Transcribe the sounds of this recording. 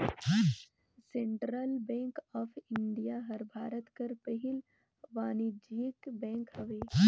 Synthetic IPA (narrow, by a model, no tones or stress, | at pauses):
sẽɳʈɾəlbɛ̃ːŋkɔːpʰɪɳɖijaɦɐɾbʱaːɾət̪kɐɾpəɦɪl | ʋaːnid͡ʒiːkbɛ̃ːŋkhɐʋeː